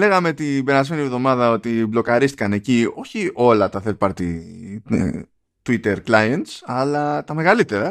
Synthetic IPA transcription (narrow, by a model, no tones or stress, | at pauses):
le̞ɣɐme̞t̪ibe̞ɾɐzme̞nievðo̞mɐðɐo̞t̪iblo̞kɐɾist̪i̥kɐne̞cio̞çio̞lɐt̪ɐθelpɐɾt̪ḭ | t̪uit̪eɾklɐjent̪sɐlɐt̪ɐme̞ɣɐlit̪e̞ɾɐ